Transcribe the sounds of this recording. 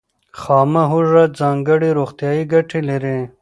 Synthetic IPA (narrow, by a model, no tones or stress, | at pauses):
xaːmɐɦuʐɐt̪zaːŋɡɐɽiɾoxt̪jaːiɡɐʈʰiliɾẽː